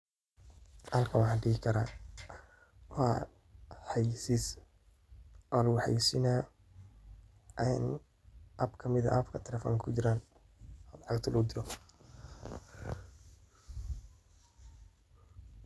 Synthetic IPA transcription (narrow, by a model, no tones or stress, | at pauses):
hɐlkʰɐwɑħɑnɖɪɣɪkʰɐɾaː | wɑː | ħɑjsis | ʔɔlħɑ̰jsɪna | ʔɛn | ʔɐbkʰɐmɪðɐ̰ʔɐbkʰɐt̪ʰɛlɛfɔ̰ːŋkʰʊt͡ʃɪɾaːn | ɔlɑʕɑɡt̪ʰʊlʔʊd̪ɪɾɔ